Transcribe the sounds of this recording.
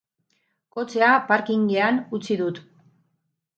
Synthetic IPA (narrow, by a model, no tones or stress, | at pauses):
ko̞t͡se̞apaɾkiŋɡeanut͡siðut̪